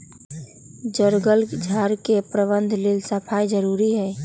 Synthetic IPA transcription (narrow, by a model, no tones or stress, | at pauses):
d͡ʒəɾɡəld͡ʒʱaɾkepɾəbənd̪ʱlelsəpʰajd͡ʒəɾuɾiɦɛ